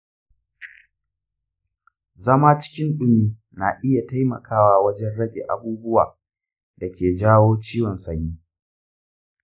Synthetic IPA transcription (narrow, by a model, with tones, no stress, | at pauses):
zɐ˦maː˦t͡ʃɪ̥˦kʲɪ˦nɗʊ˦miː˦ | na˨ʔɪ˦ja˨ta˦jmɐ̰˨kʰaː˦waː˨wɐ˦d͡ʒɛ˦nɽɐ˦ɡʲḛ˨ʔa̰˨buː˦bʊ˦wa̰ː˨ | da˨kʲeː˨d͡ʒaː˦woː˦t͡ʃiː˦wɔ˨nsɐ˨ɲiː˦